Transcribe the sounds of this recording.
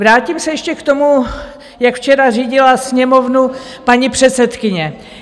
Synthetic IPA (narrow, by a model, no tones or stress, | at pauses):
vɾaːcimsɛjɛʃcɛkt̪o̞mu | jakft͡ʃɛɾariːɟɪlasɲɛmo̞vnu | paɲipr̥ɛt̪sɛt̪kɪɲɛ